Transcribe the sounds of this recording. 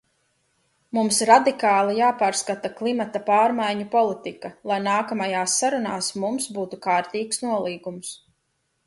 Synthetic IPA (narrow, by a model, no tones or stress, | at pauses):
mumsɾad̪ikaːlˠijaːpaːɾskat̪aklˠimat̪apaːɾmajɲupɔlˠit̪ikalˠajnaːkamajaːsːaɾunaːsmumsbuːt̪ukaːɾt̪iːksnuɔlˠiːɡums